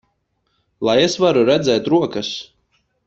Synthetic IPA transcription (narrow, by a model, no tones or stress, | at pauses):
lˠajesvaɾuɾɛd̪zʲɛːt̪ɾuɔkas